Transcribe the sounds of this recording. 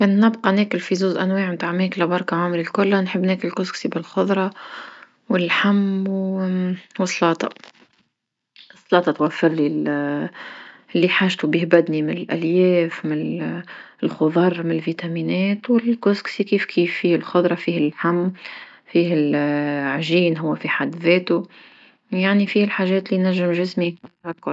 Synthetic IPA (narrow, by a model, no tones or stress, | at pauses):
kæːnːɪbqɑnɛːkɪlfizuːzʔænweːʕmt̪aːʕmɛːklabɑɾˤkaʕaːmɾilkʊlːanħɪbːneːkɪlɪlkʊsksibɪlxʊðˤɾˤɑ | wɪlħamːw | wɨsˤːlɑːt̪ˤɑ̰ | ʔɨsˤːlɑːt̪ˤɑt̪wafːɪɾlil | ʔɪlːiħaːʒt̪ubihbæd̪nimɪnɪlʔæljɛːfmɪn | lxʊðˤɑɾˤmɪnɪlviːt̪æmiːnɛːt̪wɪlkosksikiːfkʰiːfːiːhɪlxʊd̪ˤɾˤɑfiːhɪlħamː | fiːhɪlʕʒiːnɦʊwːæfiħad̪ːðɛːt̪u | jaʕnifiːɪlħaːʒɛːt̪linæʒːɪmʒɪsmiakːʊɾ